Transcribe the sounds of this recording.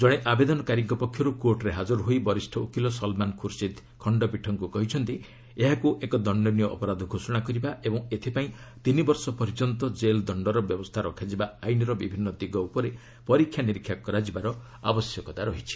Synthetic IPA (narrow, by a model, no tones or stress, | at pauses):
d͡ʒɔɽ̃eʔabed̪ɔnɔkaɾikːɔpɔkʰːjɔɾukoʈɾeɦad͡ʒɔɾɦoibɔɾisʈʰɔukilɔsɔlmankʰuɾsid̪ | kʰɔɳɖɔpiʈʰɔŋkukɔɦit͡ʃʰɔnt̪i | eɦakuʔekɔd̪ɔɳɖɔnijɔʔɔ̰pɔɾad̪ʱɔɡʱosɔɽ̃akɔɾibaʔebɔŋet̪ʰipaĩt̪inibɔɾsɔpɔɾid͡ʒɔnt̪ɔd͡ʒeld̪ɔɳɖɔɾɔbjɔbɔst̪ʰaɾɔkʰad͡ʒibaajniɾɔbibʱinːɔd̪iɡɔupɔɾe | pɔɾikʰjaniɾikʰːjakɔɾad͡ʒibaɾɔ | a̰bɔsjɔkɔt̪aɾɔɦit͡ʃʰi̥